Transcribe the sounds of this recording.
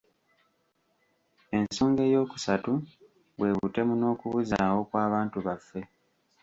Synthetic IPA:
e̞nso̞ːŋɡe̞ːjo̞ːku̥satu | βwe̞ːβute̞muno̞ːkuβuzaːwo̞kwaːβaːntuβafːe̞

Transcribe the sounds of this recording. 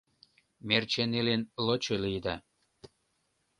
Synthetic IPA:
mert͡ɕenelenlot͡ɕelijd̪ɑ

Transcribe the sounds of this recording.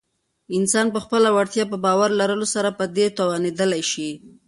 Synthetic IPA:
ɪnsɑnpəxpəlawaɽt̪jɑp̬əbɑwaɾlaɾəlosaɾapəd̪et̪owɑned̪əlajʃi

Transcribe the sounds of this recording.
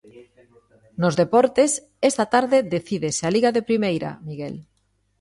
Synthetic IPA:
nozðepɔɾt̪es | ɛst̪at̪aɾðeðeθiðesealiɣaðepɾimejɾa̰miɣḛl

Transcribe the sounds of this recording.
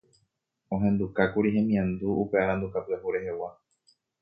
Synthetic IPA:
õ̞ɦẽ̞nd̪ukakuɾiɦẽ̞mĩãnd̪uupe̞aɾãnd̪ukapɨahuɾe̞he̞wa

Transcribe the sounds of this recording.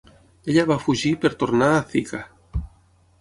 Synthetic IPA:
eʎaβafuʒipeɾt̪oɾnaːθika

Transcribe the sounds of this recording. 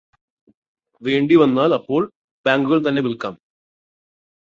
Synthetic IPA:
ʋe̞ːɳɖiʋɐnːaːlɐpːo̞ːɭ | b̥aːŋɡuɣɐɭt̪ɐnːe̞ʋilka̰ːm

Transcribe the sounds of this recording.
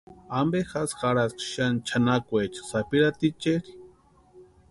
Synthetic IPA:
ambexasxaɾaskʃant͡ʃʰanakʷet͡ʃḁsapiɾat̪it͡ʃeɾi̥

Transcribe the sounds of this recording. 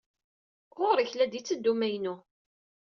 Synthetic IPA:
ʁʊɾiçlæd̪it͡sːəd̪ːumæjnʊ

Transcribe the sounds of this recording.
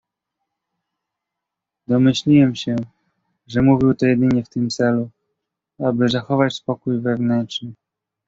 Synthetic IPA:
d̪ɔmɘɕlʲiwɛmɕɛ | ʐɛmuvʲiwt̪ɔjɛd̪ɘɲɛft̪ɘmt̪sɛlu | abɘzaxɔvat͡ɕspɔkujvɛvnɛnt͡ʂnɘ

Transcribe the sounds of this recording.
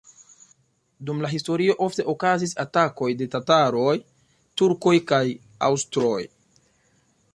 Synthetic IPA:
dumlaɦisto̞ɾio̞ʔo̞fte̞ʔo̞kazis̬atako̞jde̞tataɾo̞j | tuɾko̞jkaj | a̰wstɾo̞j

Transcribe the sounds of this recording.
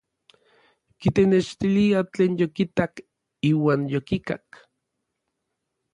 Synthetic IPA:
kit̪enet͡ʃt̪iliat͡ɬeːnjokit̪ak | iːwaːnjokika̰k

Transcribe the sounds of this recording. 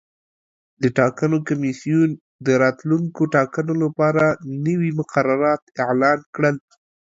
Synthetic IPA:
d̪əʈɑkanokamisijun | d̪əɾɑt̪luŋkoʈɑkanolapɑɾanəwimʊqaɾaɾɑt̪ɪʕlɑnkɽəl

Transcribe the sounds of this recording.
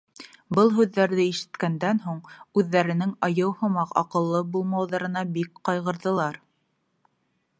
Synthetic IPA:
bɤlˠɦʉðːæɾðɘiʃɘ̥̆t̪kænd̪ænɦuɴʉðːæɾɘ̆nɘŋɑjɤwhŏmɑqɑ̰qɤ̆lˠːɤbulˠmɑwðɑɾɤ̆nɑbikqɑjʁɤ̆ɾðɤ̆lˠɑɾ

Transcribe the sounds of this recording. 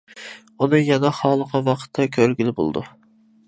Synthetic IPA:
unɨjɛnɛχɑːlˠəqɑwɑqʰə̥t̪ʰːɛkʲʰøɾɡʲilɪbo̰l̰ˠd̪ṵ

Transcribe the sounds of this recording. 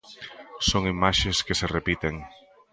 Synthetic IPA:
soŋimaʃeskeserepit̪eŋ

